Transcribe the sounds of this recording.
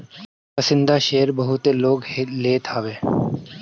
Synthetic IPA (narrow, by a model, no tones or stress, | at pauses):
pɐsɪ̃nd̪aʃeːəɾbɐɦʊt̪loːɡeleːt̪ʰaːʋeː